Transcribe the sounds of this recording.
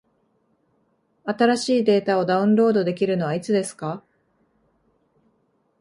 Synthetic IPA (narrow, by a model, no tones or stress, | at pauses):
at̪aɾaɕiːd̪e̞ːt̪ao̞d̪aɯ̟̃nɾo̞ːd̪o̞d̪e̞kʲiɾɯ̟no̞βait͡sɨd̪e̞sɨ̥ka